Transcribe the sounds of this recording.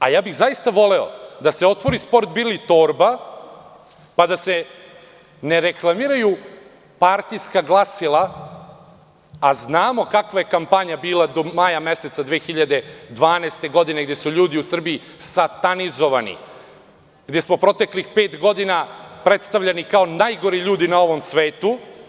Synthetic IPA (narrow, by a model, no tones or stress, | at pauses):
ajaːbiɣzajist̪aʋo̞leo̰d̪aseo̞t̪ʋo̞ɾispo̞ɾt̪̚bilit̪oːɾba | pad̪ase | neɾeklˠamiːɾaju | paɾt̪ijskaɡlˠasilˠa | aznaːmo̞kakʋaje̞kampaɲabiːlˠad̪omajame̞se̞t̪sad̪ʋeːxiʎad̪e̞d̪ʋaːneːst̪e̞ɡo̞d̪ine̞ɡd̪jesuʎuːd̪iusr̩bii | sat̪anizo̞ʋanḭ | ɡd̪e̞smo̞pɾo̞t̪e̞klixpe̞ːt̪ɡo̞d̪inapɾe̞t̪st̪aʋʎanikao̞najɡo̞ɾiʎuːd̪inao̞ʋo̞msʋe̞ːt̪u